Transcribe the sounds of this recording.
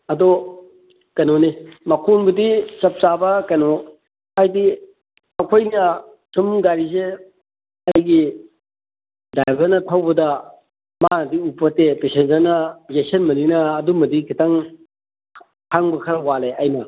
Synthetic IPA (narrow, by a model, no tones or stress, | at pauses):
ɐdɔ | kɐnonimɐkʰonbɐdit͡ʃɐp̚t͡ʃabɐkɐnɔ | ajdi | ɐkʰojnɐ | sʰumɡaɾise | ɐjɡi | dajbɐɾnɐtʰawbɐdɐ | manɐdiupːɐtepesenzanɐzesenmɐninɐːdumɐdikʰitaŋ | hʰaŋbɐkʰɐɾɐwaleajnɐ